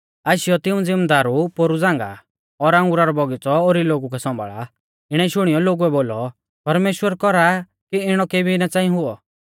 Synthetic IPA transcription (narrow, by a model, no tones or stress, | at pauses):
aːʃɪjɔt̪ɪũd͡zɪmd̪aːɾupoːɾud͡zãːŋɡa̰ | ɔɾãŋɡʊɾaɾɔbɔɡɪt͡sɔoːɾiloːɡukɛsɔ̃mbʱa̰ɭa̰ | ɪɽ̃ɛʃʊɽ̃ijɔloːɡuɛboːlɔ | pɐɾmeːʃwəɾkɔɾa | kiɪɽ̃ɔkebinat͡saːĩɦʊɔ